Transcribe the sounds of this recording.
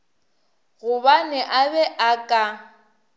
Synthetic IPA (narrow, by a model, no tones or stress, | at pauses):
ɣʊbanɛʔabɛʔakʼa